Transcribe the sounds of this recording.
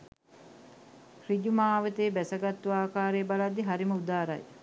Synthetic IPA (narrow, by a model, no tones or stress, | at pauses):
hriɟumaːʋət̪eːbæsɐɡat̪ːuaːkaːɾejbalad̪ːiɦaɾiməud̪aːɾa̰j